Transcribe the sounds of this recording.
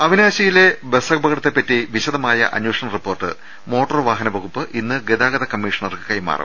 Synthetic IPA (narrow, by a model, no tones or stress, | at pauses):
ɐʋinaːɕɐjile̞besɐɡ̚bɐɣɐɽɐt̪ːepːɐtːiʋiɕɐðɐmaːjɐ̰ʔɐ̰njoːʂɐɳɐripːo̞ːrʈɨ̰ | mo̞ːʈːɐrʋaːɦɐnɐʋɐɣupːɨʔinːɨɡed̪aːɡɐðɐkɐmːiːʂɐɳɐrkɨkɐjma̰ːrʔɐ̰